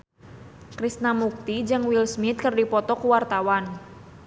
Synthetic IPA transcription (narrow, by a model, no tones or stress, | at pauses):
kɾisnamuk̚t̪id͡ʒɨŋwilsmit̪̚kərdipɔt̪ɔkuwart̪awan